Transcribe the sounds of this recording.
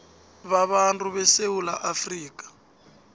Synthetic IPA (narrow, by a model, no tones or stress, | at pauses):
βaβantʼuβɛsewulaʔafriːkʼḁ